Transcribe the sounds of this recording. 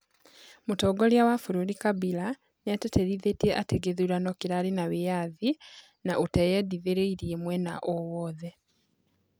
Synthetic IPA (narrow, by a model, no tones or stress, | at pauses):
mutoɡoljawafuɾuɾikaβila | niateteɾiðetieʔateɡeðulanokiɾalinaβijaði | naʔutajediðeɾeiɾiemwena̰ʔowoːðe